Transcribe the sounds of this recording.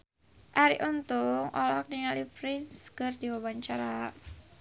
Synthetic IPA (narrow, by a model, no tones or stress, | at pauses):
ʔaɾḭʔunt̪ʊŋʔɔ̰lɔkniŋalipɾɪnskərdiwawaɲt͡ʃaɾa